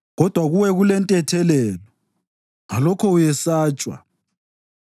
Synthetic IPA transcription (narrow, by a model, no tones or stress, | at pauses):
ɣɔd̥ʱwaɣuwɛɣulɛntʼɛtʰɛlɛlɔ | ŋalɔkʰɔujɛsaːt͡ʃʼwa̰